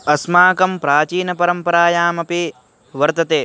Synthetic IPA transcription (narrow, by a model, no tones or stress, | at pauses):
ɐsmaːkɐmpɾaːt͡ʃiːnɐpɐɾɐmpɐɾaːjaːmɐpi | ʋɐɾt̪ɐt̪eː